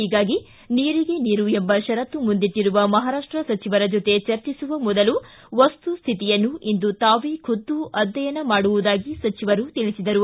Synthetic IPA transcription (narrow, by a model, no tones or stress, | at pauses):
iːɡaːɡi | niːɾiɡe̞niːɾue̞mbɐʃɐɾɐt̪ːumund̪iʈːiɾuʋɐmɐɦaːɾaːʂʈɾɐsɐt͡ʃiʋɐɾɐd͡ʒot̪e̞t͡ʃɐɾt͡ʃisuʋɐmɔd̪ɐlu | ʋɐst̪ust̪ʰit̪ijɐnːuʔind̪ut̪aːʋikʰud̪ːuʔɐd̪ːɐjɐnɐmaːɽuʋud̪aːɡisɐt͡ʃiʋɐɾut̪iɭisid̪ɐɾu